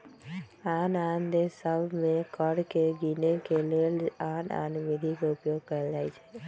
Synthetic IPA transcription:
aːnand̪esəbmẽkəɽkeɡinekelelaːna̰ːnʋɪd̪ʱikoʊpjoːɡ̚kəɾed͡ʒaːit͡ʃʰe̥

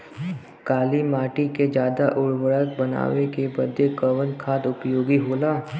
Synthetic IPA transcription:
kaːlimaːʈiked͡ʒjaːd̪aʔʊɽwəɭək̚bəna̰ːʋekebəd̪ekəʋənkʰaːd̪ʊpjoːɡiɦoːlaː

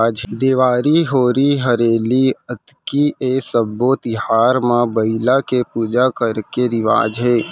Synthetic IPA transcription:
d͡ʒd̪eːʋaːɾiɦoːɾiɦəɾeːliət̪ | kiʔeːsəbot̪ɪɦaːɾmãbəɪlakepuːd͡ʒakəɾkeɾɪʋa̰ːd͡ʒɦɛː

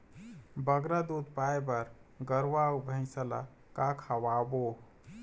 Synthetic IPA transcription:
bəɡɾad̪ud̪pajbəɾɡəɾʋaubʱə̃ɪ̃səla̰ | kakʰawabo

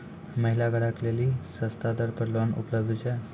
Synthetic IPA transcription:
məɦilaɡəɽaklelisəst̪ad̪əɾpəɾlonṵpləb̚d̪ʱt͡ɕa

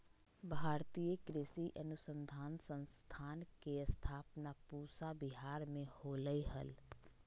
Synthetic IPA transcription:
bʱaːɾt̪ijəkɾɪsiʔənʊsə̃nd̪ʱaːnsə̃nst̪ʰaːnkeəst̪ʰaːpnapuːsabiɦaːɾmẽhoːləiɦəl

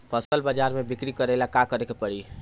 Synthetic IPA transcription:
pʰəsəlbəd͡ʒaɾmebikɾikəɾelakakəɾekepəɽi

